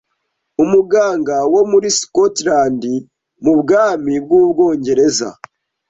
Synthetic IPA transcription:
umuɡaːŋɡawo̞muɾiskotɾaːndi | mubɡaːmib̚ɡuːbɡo̞ːɲɟe̞ɾe̞za̰

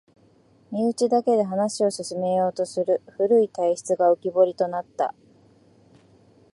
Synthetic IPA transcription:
mʲiɯ̟t͡ɕid̪ake̞d̪e̞ɦanaɕio̞ɕɨsɨme̞jo̞ːt̪o̞sɨɾɯ̟ɸɯɾɯ̟it̪aiɕi̥t͡sɨɡaokʲibo̞ɾʲit̪o̞nat̪ːa̰

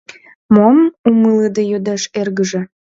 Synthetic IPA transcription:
momumɨləd̪ejød̪eʃerɣəʒĕ

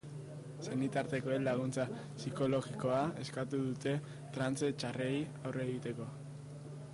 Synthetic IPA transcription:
senit̪aɾt̪e̞ko̞elaɣ̞unt͡sa | siko̞lo̞ɣiko̞ae̞skat̪uðut̪e̞ | t̪ɾant͡set͡ʃarʔejawreːɣit̪e̞ko̞

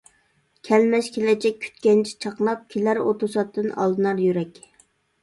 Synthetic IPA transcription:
kʲʰɛlmɛʃkʲʰelɪd͡ʒɛk̚ʲʰy̥t̪kʲɛnt͡ʃʰɛ̥t͡ʃʰɑqnˠɑp̚kʲʰelæɾo̰t̪ʰusɑt̪ʰːɨnɑ̰lˠd̪ɨnɑɾjyɾɛkʲ

